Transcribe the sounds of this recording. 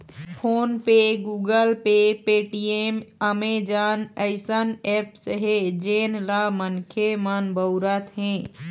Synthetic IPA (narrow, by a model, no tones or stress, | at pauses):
pʰoːnpeɡuːɡəlpepeʈieməmed͡ʒaːnəɪsənɛpsəɦed͡ʒeːnlamənkʰemənbəʊɾət̪ɦɛ̃ː